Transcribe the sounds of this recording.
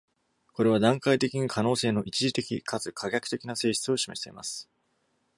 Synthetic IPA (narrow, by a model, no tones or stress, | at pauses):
ko̞ɾe̞β̞ad̪ãŋkait̪e̞kʲiɲ̟ikʰano̞ːse̞ːno̞ʔit͡ɕiʑit̪e̞kʲikʰat͡sɨkʰaɡʲakɯ̟t̪e̞kʲinase̞ːɕi̥t͡sɨo̞ɕimeɕi̥t̪e̞ima̰sɨ̥